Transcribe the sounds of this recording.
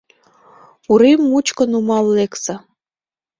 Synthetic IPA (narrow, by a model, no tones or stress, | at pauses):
uɾemːut͡ɕkə̆numɑlːeksɑ